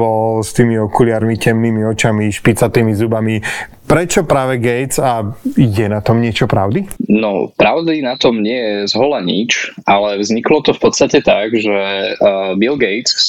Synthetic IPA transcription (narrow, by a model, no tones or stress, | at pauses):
ɔlst̪iːmiɔkulɪaːɾmicɛmniːmiɔt͡ʃamiʃpit͡sat̪iːmizubami | pɾɛt͡ʃɔpɾaːʋɛɡɛjt͡sajɛnat̪ɔmɲɪɛt͡ʃɔpɾa̰ʊd̪inɔpɾaʊd̪inat̪ɔmɲɪɛjɛzɦɔlaɲit͡ʃʔalɛvzɲiklɔt̪ɔfpɔt̪st̪acɛt̪aɡʒɛ | bilɡɛjt͡s